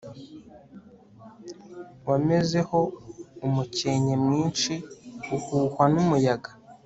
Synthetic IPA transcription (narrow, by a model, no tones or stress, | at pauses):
wame̞ze̞ho̞umuce̞ɲemŋiːnt͡ʃiuhuːhwanumujaɡḁ